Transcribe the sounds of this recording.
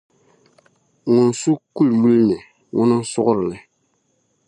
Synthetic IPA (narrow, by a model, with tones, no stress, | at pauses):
ŋʊ˨n˨su˦ku˦lmu˦lnɨ˨ | ŋʊ˦nɨ˦n˦sʊ˦ɣʊ˦ɾɪ˨lɨ˨